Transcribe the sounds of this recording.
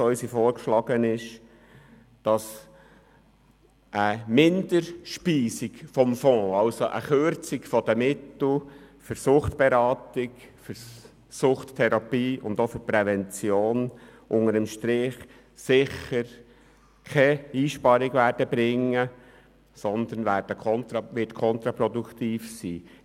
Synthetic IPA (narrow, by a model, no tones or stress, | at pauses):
œʏsifɔːɾkʃlɑɡ̥ənɪʃ | d̥ɑs | ʔəmɪnd̥əɾʃpiːsikfɔmfɔ̃ːɑlsoʔə̰χøɾt͡sikfɔd̪əmɪt̪l̩fʏɾsʊχtb̥eɾɑːtɪkfʏɾ | sʊχttʰːɛɾɑpiːʊnd̪ofʏpɾɛvɛnt͡sjoːnʔʊŋəɾəmʃtɾɪχ | sɪχəɾ | kʰɛiːʃpɑɾɪɡvʋæːɾd̥əbɾɪŋːə | sɔnd̪ənʋæːɾd̥əkʰɔnt̪ɾɑʋɪtkʰɔnt̪ɾɑpɾɔd̪ukt̪iːfsiː